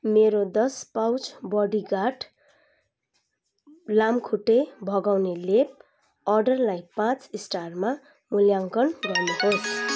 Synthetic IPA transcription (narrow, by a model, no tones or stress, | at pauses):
meɾod̪ʌspawt͡sbʌɽiɡaʈ | lamkʰuʈːebʱʌɡawnelep̚ | ʌrɖʌrlajpãt͡sisʈarma | muljaŋkʌnɡʌrneɦos